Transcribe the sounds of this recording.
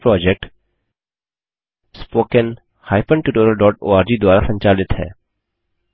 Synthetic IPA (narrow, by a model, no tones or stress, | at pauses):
pɾɔːd͡ʒek̚ʈ | spoːkən | haːɪpə̃ɳʈuʈoːɾəlɖɔːʈo̰ːaːɾd͡ʒiːd̪waːɾasə̃ɲt͡ʃaːlɪt̪ɦɛ̰ː